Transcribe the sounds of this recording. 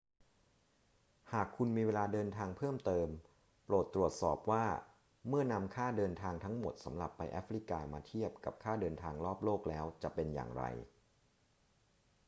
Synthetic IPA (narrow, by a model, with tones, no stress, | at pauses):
haː˨˩kʰːu˧nmiː˧weː˧laː˧dɤː˧nt̪ʰaː˧ŋpʰɤː˥˩mt̪ɤː˧m | ploː˨˩t̪ːɾu˨˩ət̪̚sɔ̰ː˨˩p̚waː˥˩ | mɯ˥˩ɐna˧mkʰaː˥˩dɤː˧nt̪ʰaː˧ŋt̪ʰa˦˥ŋmo˨˩t̪̚sa̰˩˦mɾa̰˨˩pːa˧jʔɛ̰˦˥fɾi˦˥kaː˧maː˧t̪ʰi˥˩əp̚ka˨˩p̚kʰaː˥˩dɤː˧nt̪ʰaː˧ŋɾɔː˥˩p̚loː˥˩k̚lɛː˦˥wt͡ɕa˨˩pe˧nja̰ː˨˩ŋɾa̰˧j